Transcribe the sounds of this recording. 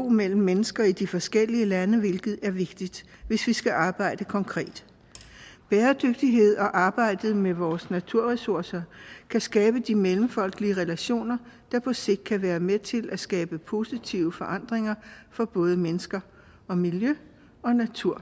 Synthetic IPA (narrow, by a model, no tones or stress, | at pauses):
o̝̰ːmel̰m̩ːenəsɡ̥ɐid̥ifɒ̽sɡ̥el̰iəlænəʋe̝lɡ̥ð̩ˠæɐʋe̝ɡ̥d̥id̥ʋe̝sʋisɡ̥æʔɑ̈ːb̥ɑ̈ɪ̰d̥əkʰɒ̽ŋkʰʁɛ̰ːd̥ | b̥eːɐd̥øɡ̥̚d̥iɦe̝ð̞̰ˠɒ̽ʔɑ̈ːb̥ɑ̈ɪ̰d̥ð̩ˠmeʋɒːsnæt͡sʰuɐ̰ʁɛsuɐsɐkʰæsɡ̥ɛːb̥əd̥imelm̩fɒ̽l̰ɡ̥əliəʁɛlæɕo̝̰ːnɐ | d̥ɑ̈pʰɒ̽se̝ɡ̥̚d̥kʰæʋæːɐmet͡sʰe̝lʔæsɡ̥ɛːb̥əpʰo̝sit͡sʰiʊəfɒ̽ʔɑ̈n̰d̥ʁeŋɐfɒ̽b̥ɔ̽ːð̞ˠəmenəsɡ̥ɐ | ɒ̽miljø | ɒ̽næt͡sʰuɐ̰